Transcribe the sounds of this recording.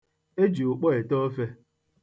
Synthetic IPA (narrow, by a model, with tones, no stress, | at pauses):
e˦d͡ʒi˨u˨k͡pɔ˦e˨tɔ˦o˦fe˦